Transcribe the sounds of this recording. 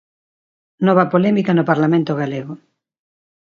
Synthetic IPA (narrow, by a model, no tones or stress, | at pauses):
nɔβɐpolɛmikɐnopaɾlamẽnt̪oɣaleɣo